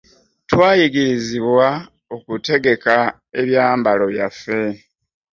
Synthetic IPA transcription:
twaːjiɡiɾiziβwa | o̞kute̞ɡe̞ka | e̞βjaːmbalo̞jafe̞

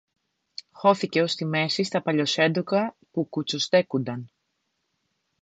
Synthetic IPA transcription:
xo̞θice̞o̞st̪ime̞sist̪ɐpɐʎo̞se̞nd̪okɐ | pukut͡sost̪e̞kund̪ɐn

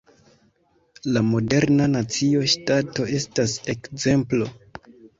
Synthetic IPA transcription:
lamo̞de̞ɾnanat͡sio̞ʃtato̞e̞stase̞kze̞mplo̞

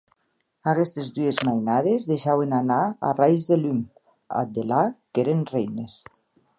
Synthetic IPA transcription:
aɣest̪ezd̪uezmajnað̞ezðejʃawenanaa̰rajzðelym | a̰d̪elakeɾenrejnes

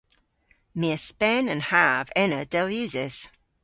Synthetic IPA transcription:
mɪəspɛnə̃nhavɛnədɛlˠjʉːzɪz̥

